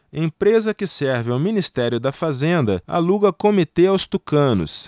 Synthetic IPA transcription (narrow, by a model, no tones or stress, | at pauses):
ẽpɾezɐkɪsɛɾvɪawminist̪ɛɾjʊd̪ɐfazẽnd̪ɐa̰luɡɐkomit̪eawst̪ukɐ̃nʊ̰s